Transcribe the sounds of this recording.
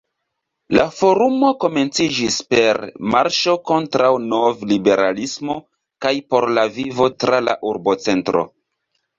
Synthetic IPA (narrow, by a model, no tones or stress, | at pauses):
lafo̞ɾumo̞ko̞me̞nt͡sid͡ʒispe̞ɾmaɾʃo̞ko̞ntɾawno̞vlibe̞ɾalismo̞ | kajpo̞ɾlavivo̞tɾala̰ʔuɾbot͡se̞ntɾo̞̰